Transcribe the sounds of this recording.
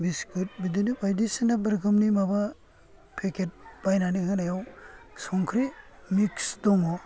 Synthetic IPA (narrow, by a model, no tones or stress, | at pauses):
biskɯt̚bidinɯpʰajdisinabəɾɡʰɯmnimaba | pʰekʰet̚b̥ajnanihɯnajawsɔŋkʰɾimiksdɔmɔ